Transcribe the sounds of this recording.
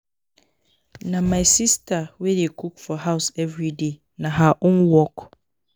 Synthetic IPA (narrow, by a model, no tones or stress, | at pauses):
nãmãɪsistʰawedekʰukfɔɦaʊsɛvɹide | nãɦaʔʊ̃nwɔk